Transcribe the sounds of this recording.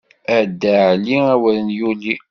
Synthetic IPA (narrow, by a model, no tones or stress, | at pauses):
æd̪ːaʕliæwælənjuli